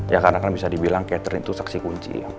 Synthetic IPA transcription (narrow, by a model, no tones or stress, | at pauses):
jakarnakanbisadibilaŋkeat̪əɾnit̪usaksikuɲt͡ʃḭ